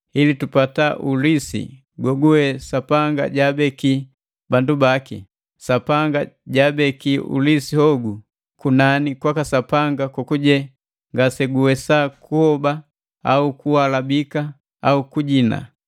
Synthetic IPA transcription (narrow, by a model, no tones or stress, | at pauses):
hilitupataʔulisḭ | ɡɔɡuɛsapaŋɡa̰ɟabɛki | bandubakḭ | sapaŋɡaɟabɛkiṵlisihɔɡu | kunanikwakasapaŋɡakɔkuɟɛ | ŋɡasɛɡuwɛsakuhɔba | aukuwalabika | aukuɟina̰